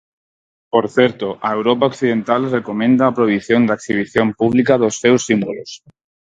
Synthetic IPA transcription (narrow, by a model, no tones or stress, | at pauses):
poɾθeɾt̪oʔaewɾopaokθiðent̪alrekomẽnd̪aːpɾoiβiθjond̪aksiβ̞iθjompuβ̞likaðosːewsːimbolos